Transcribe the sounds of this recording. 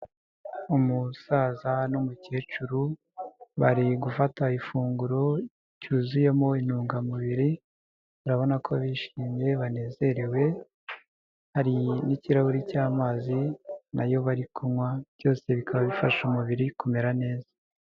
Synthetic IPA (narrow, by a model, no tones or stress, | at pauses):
umusaːzanomuce̞ːt͡ʃuɾu | βaɾiɡufataifuːŋɡuɾo̞ | cuzuje̞mo̞in̥uːŋɡamuβiɾi | βaɾaβo̞nakʰoβiʃiːmje̞βane̞ːze̞ɾewe̞ | haɾiniciɾahuɾicaːmazina̰jo̞βaɾikʰumwaβjo̞ːse̞βikʰaβaβifaʃumuβiɾikume̞ɾane̞ːza